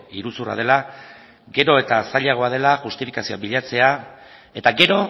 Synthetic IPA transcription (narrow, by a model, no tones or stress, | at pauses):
iɾusura̰ð̞e̞la | ɡe̞ɾo̞e̞t̪asaʎaɣ̞o̞að̞e̞laʝust̪ifi̥kasio̞a̰biʎat͡se̞a | e̞t̪aɡe̞ɾo̞